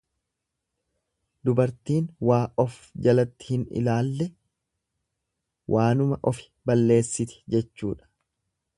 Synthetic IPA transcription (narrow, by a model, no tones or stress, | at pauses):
d̪ʊbɐɾt̪iːnwaːʔɔfd͡ʒɐlɐt̪ːɪ̥hɪnɪ̰laːlːɛ | wʔaːnʊmɐʔɔfɪ̥ | bɐlːe̞ːsːɪt̪ɛ̥d͡ʒɛt͡ʃːuːᶑɐ̥